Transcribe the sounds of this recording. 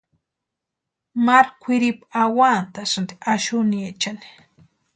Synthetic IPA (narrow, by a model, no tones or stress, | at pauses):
maɾkʷʰɪɾipaawant̪asand̪iʔaʃʊniet͡ʃani̥